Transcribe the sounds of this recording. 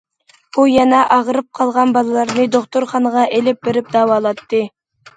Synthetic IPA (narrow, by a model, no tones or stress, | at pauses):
b̥ujɛnɛʔɑʁɾɨp̚qʰɑlˠʁɑnbɑlˠɨlˠɑɾnɨd̪oχt̪oɾχɑnəʁɑʔelɪp̚beɾɪp̚d̪ɑːwɑːlˠɑt̪ːɨ